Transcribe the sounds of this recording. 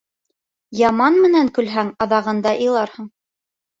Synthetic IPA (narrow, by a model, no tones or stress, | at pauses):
jɑmɑnmɘ̆næŋkɵ̆lɦæŋɑðɑʁɤ̆nd̪ɑʔɤ̆lˠɑɾhɤɴ